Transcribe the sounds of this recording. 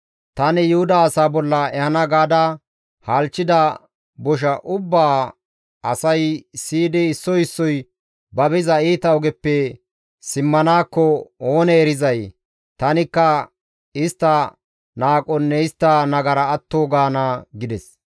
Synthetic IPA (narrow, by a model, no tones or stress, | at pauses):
t̪ɐnɪjʊhʊd̪ɐːsaːbɔlːɐɛhɐnɐɡaːd̪a | haːlt͡ʃːɪd̪ɐ | bɔʃ̬ɐʔʊbːaː | ɐsɐjsiːd̪ɛɪsːɔjɪsːɔj | bɐbɪzɐiːt̪ɐwɔɡɛpːɛ | sɪmːɐnaːkːɔoːnɛːɾɪzɐj | t̪ɐnɪkːɐ | ɪst̪ːɐ | naːkʼɔnːɛɪst̪ːɐnɐɡɐɾɐːt̪ːoːɡaːnaɡɪd̪ɛs